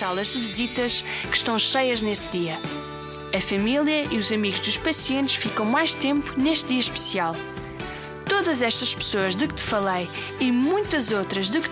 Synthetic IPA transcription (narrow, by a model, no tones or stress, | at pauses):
alˠɐʒd̪ɨvizit̪ɐʃkɨ̥ʃt̪ɐ̃w̃ʃɐjɐʒnesðiɐ | ɐfɐmilˠjɐiuzɐmiɣuʒðuʃpɐsiẽnt̪ʃfikɐ̃w̃majʃt̪ẽmpuneʃt̪̚ðiɐʃpɨ̥sialˠ | t̪oðɐzɛʃt̪ɐʃpɨ̥soɐʒðɨkt̪ɨ̥fɐlˠɐj | imũj̃t̪ɐzot̪ɾɐʒðɨk